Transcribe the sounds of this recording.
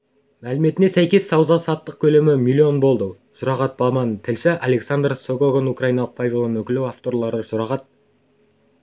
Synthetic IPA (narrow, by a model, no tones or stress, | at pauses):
mælɪme̞t̪ɪnesæjkʲe̞sːɑwzɑsɑt̪ːəq̚kʲʰɵle̞mɪmʲilʲːio̞nbo̞lˠd̪ə | ʒ̥ʊɾɑʁɑt̪̚bɑmɑnt̪ʰɪlʃɪʔɑle̞ksand̪rsoɡoɡonukrɑjinɑlˠəq̚pʰavʲilˠonwɵkʲɪlɪwaft̪o̞rlˠɑɾəʒʊɾɑʁɑt̪̚